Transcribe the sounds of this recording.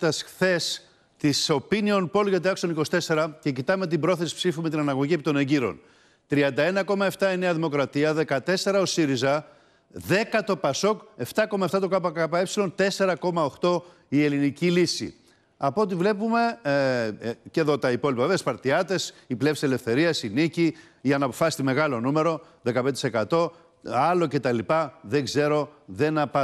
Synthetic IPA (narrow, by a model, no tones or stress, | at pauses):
t̪ɐsxθe̞s | t̪iso̞pinio̞npo̞lʝɐt̪iɐksoniko̞si̥t̪e̞se̞ɾɐce̞cit̪ɐmet̪ibɾo̞θe̞si̥psifume̞t̪inɐnɐɣo̞ʝie̞pit̪o̞neɲɟiɾo̞̰n | t̪ɾiɐnd̪ɐe̞nɐko̞mɐe̞ft̪ɐe̞ne̞ɐðimo̞kɾɐt̪iɐðe̞kɐt̪e̞se̞ɾɐo̞siɾizɐ | ðe̞kɐt̪o̞pɐso̞ke̞ft̪ɐko̞mɐeft̪ɐt̪o̞kɐpɐkɐpɐepsilo̞nt̪e̞se̞ɾɐko̞mɐo̞xt̪o̞ | ie̞linicilisḭ | ɐpot̪̬ivle̞pume̞ | ce̞ðo̞t̪ɐipo̞lipɐvespɐɾt̪iɐt̪e̞siplefsi̥se̞le̞fθe̞ɾiɐsinici | jɐnɐːpo̞fɐsi̥t̪ime̞ɣɐlo̞nume̞ɾo̞ | ðe̞kɐpnse̞kɐt̪o̞ | ɐlo̞ce̞t̪ɐlipɐðe̞ɡze̞ɾo̞ðe̞nɐpɐ